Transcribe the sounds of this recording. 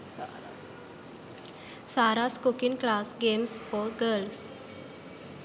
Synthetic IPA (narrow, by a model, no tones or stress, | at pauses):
saɾaskokiŋklasɡemsfɔɾɡəɾls